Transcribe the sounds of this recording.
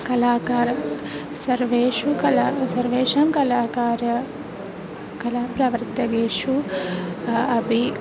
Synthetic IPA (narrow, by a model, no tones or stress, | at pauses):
kɐlaːkaːɾɐ | sɐɾʋeːʃukɐlaːsɐɾʋeːʃɐmkɐlaːkaːɾɐ | kɐlaːpɾɐʋɐɾt̪ɐɡeːʂu | ɐbʱi